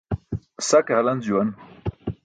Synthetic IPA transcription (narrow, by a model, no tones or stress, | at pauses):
sɐkeɦɐlɐnd͡ʑuwɐn